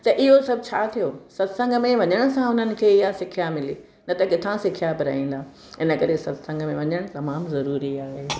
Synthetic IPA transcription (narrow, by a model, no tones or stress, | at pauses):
t̪ɐʔɪɦosɐbʱt͡ɕʰaːt̪ʰijosɐt̪sə̃ŋɡəmẽʋɐɲəɽ̃̆sãʊn̤ənɪ̆kʰeːɪjasɪkʰijamɪliː | nɐt̪ɐkɪt̪ʰãsɪkʰijabɪɾɐɦĩːnd̪aː | ɪnəkɐɾesɐt̪sɐ̃ŋɡʱmẽʋɐɲəɽ̃t̪ɐmaːmzɐɾuːɾiaːɦeː